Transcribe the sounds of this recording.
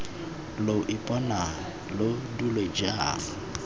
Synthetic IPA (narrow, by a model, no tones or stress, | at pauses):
loʔipʼɔna | lodulwed͡ʒaa